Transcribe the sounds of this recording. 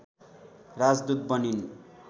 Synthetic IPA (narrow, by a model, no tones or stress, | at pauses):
rad͡zd̪ut̪̚bʌnin